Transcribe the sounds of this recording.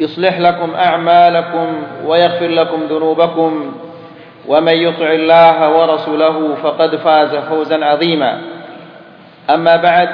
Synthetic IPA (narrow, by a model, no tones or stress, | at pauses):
jʊsˤlɪħlakʊmʔaʕmaːlakʊmwajɑɣfɪɾlakʊmðʊnuːbakʊm | wʔamanjʊt̪ˤɪʕɪlːaːɦawɑɾˤɑsuːlaɦʊfɑqɑd̪faːzafawzanʕɑðˤiːma̰ | ʔamːaːbaʕd̪